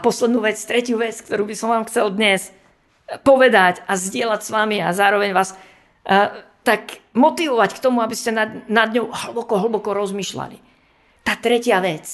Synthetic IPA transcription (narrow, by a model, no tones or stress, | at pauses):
pɔslɛd̪nuːʋɛt͡st̪ɾɛcɪjuːʋɛt͡sk̚t̪ɔɾuːbisɔmʋaːmxt͡sɛld̪ɲɛs | pɔʋɛd̪acazɟɪɛlacsʋamiazaːɾɔʋɛɲʋaːs | t̪akmɔt̪iʋɔʋackt̪ɔmuabiscɛnanad̪ɲɔʊɦl̩bɔkɔɦl̩bɔkɔɾɔzmiːʃla̰lḭ | t̪aːt̪ɾɛcɪaʋɛt͡s